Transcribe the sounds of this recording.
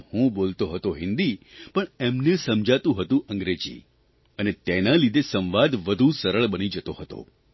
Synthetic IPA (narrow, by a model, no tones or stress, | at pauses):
hũbolt̪oɦət̪oɦɪnd̪ipəɳemnesəmd͡ʒʱat̪ũɦət̪ũʔəŋɡɾed͡ʒḭ | ənet̪enalid̪ʱesə̃ʋʋad̪ʋəd̪ʱũsəɾəɭbənid͡ʒət̪oɦət̪o̰